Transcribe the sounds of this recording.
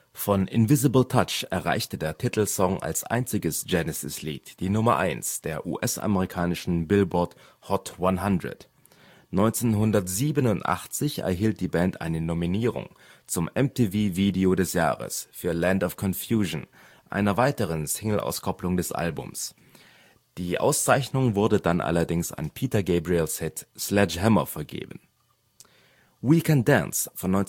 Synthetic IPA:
fɔnʔɪ̰nvɪzɪbl̩tʰat͡ʃɛɐʁa̰ɪçtədeːɐtʰɪtʰl̩sɔŋʔa̰lsʔa̰ɪnt͡sɪɡəsd͡ʒ̥ɛnɛsɪslḭːtd̥iːnʊmɐ̰ʔa̰ɪnsd̥eːɐʔṵːʔɛsʔa̰məʁikʰaːnɪʃn̩bɪlbɔɐt | hɔtwanɦandʁə̰t | nɔʏnt͡senɦʊndɐtz̥iːbənʊntʔa̰χt͡sɪçɛ̰ɐɦiːlt̚d̥iːbɛntʔa̰ɪnənominiːʁʊ̰ŋ | t͡sʊmɛmtʰiːviːviːdeodɛsja̰ːʁə̰sfyːɐlɛntɔfkʰɔnfjuːʒn | ʔa̰ɪnɐvaɪtəʁ̞ənsɪŋl̩ʔa̰ʊskʰɔplʊŋdɛsʔa̰lbʊ̰ms | d̥iːʔa̰ʊst͡saɪçnʊŋvʊɐdədanʔa̰lɐdɪŋsa̰npʰiːtɐɡeɪbʁilshɪtslɛʃhɛmɐ̰fɛɐɡḛːbən̩ | wiːkɛnd̥a̰nsfɔnːɔn

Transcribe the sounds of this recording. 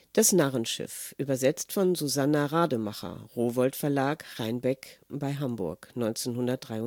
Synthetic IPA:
d̥asnaʁənʃɪ̰fʔyːbɐzɛt͡stfɔnzuzanaʁaːdəmaχɐ̰ʁoːvɔltfɛɐlaːkʁaɪnbɛkb̥aɪɦambʊ̰ɐknɔʏnt͡seːnhʊndɐt̚d̥ʁaɪʊ

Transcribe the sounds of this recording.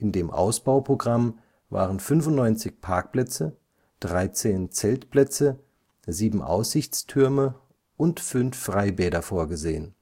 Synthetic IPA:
ʔɪndeːmʔa̰ʊsb̥aʊpʁ̥oɡʁam | va̰ːʁənfʏnfʊntnɔʏnt͡sɪçpʰaɐk̚plɛt͡sə | d̥ʁaɪt͡seːnt͡sɛltplɛt͡sə | ziːbm̩ʔa̰ʊsz̥ɪçt͡stʰʏɐmə | ʔʊntfʏnfːʁ̥aɪbɛːdɐfoːɐɡəzeːən

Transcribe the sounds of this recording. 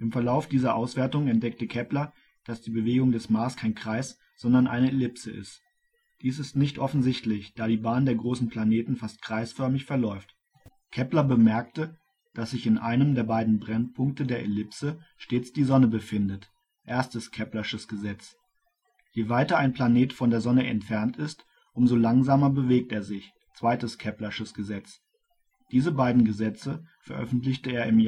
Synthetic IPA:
ʔɪmfɛɐlaʊfd̥iːzɐʔaʊsv̥eːɐtʊŋəɛnt̚d̥ɛk̚təkʰɛplɐ | d̥asd̥iːbəveːɡʊŋdɛsmaːskʰaɪnkʁ̥aɪs | z̥ɔndɐnʔa̰ɪnəelɪpsəʔɪ̰st | d̥iːsɪstnɪçtʔɔfn̩zɪçtlɪçd̥aːɾiːbaːndeːɐɡʁoːsn̩pl̥aneːtn̩fast̚kʁ̥aɪsfœɐmɪçfɛɐlɔʏft | kʰɛplɐbəmɛɐktə | d̥asz̥ɪçɪnʔaɪnəmdeːɐbaɪdn̩bʁɛnpʰʊŋk̚tədeːɐʔelɪpsəʃteːt͡sd̥iːzɔnəbəfɪndət | ʔeːɐstəskʰɛplɐʁɪʃəsɡ̥əzɛt͡s | jeːvaɪtɐaɪnplaneːtfɔndeːɐzɔnəɛ̰ntfɛɐntɪst | ʔʊmzolaŋzaːmɐbəveːk̚teːɐzɪç | t͡sv̥aɪtəskʰɛplɐɪʃəsɡ̥əzɛt͡s | d̥iːzəbaɪdn̩ɡəzɛt͡səfɛɐʔœ̰fn̩tlɪçtəeːɐɪm

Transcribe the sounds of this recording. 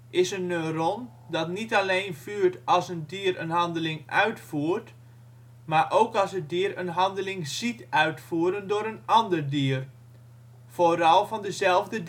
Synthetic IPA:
ʔɪsənøron | dɑtnitaleːnfyːrtɑlˠsəndiəɾənɦɑndəlɪŋʔœɥtfuːrt | maɹʔowkɑlˠsədiərənɦɑndəlɪŋzitœɥtfuːɾəndʊːɾənɑndərdiər | foːɾɔlˠfɔndəzɛlˠvdəd

